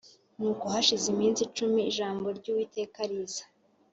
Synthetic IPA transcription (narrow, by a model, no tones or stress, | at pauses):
nuːkohaʃizimiːnsit͡ʃumiːʒaːmbo̞ɾɟuːwiːte̞ːkaɾizḁ